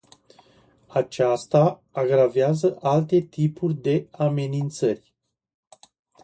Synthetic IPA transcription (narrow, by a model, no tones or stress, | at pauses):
at͡ʃast̪aːɡɾaveazəʔalt̪e̞t̪ipurʲd̪e̞ame̞nint̪sərʲ